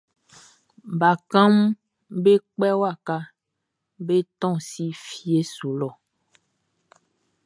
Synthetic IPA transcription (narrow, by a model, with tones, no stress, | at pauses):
ba˨kã˦m | be˦k͡pɛ˦wa˦˨ka˦ | be˦t̪ɔ̃˦˨si˦fi˨e˦so˨lɔ˨